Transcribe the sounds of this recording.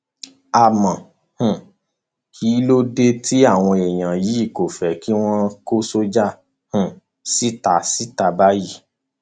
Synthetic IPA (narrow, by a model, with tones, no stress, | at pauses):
a˧˨mã˨ | hũ˨ | ki˨˦lo˦de˦ti˦a˦˨w̃ɔ̃˧ɛ˨j̃ã˨ji˨˦i˦˨ko˨fɛ˨ki˦w̃ɔ̃˦ko˦so˦d͡ʒa˦ | hũ˨ | si˦ta˧˨si˦ta˧ba˦ji˦˨